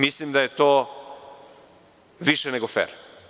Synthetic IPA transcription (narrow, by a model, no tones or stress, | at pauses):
mislimd̪aje̞t̪oː | ʋiʃeneɡofḛɾ